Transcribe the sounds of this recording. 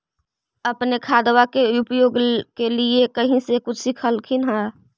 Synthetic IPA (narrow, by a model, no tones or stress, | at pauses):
əpnekʰaːd̪wakeʊpjoːɡkeliekəɦĩsekʊt͡ʃʰsikʰəlkʰinɦã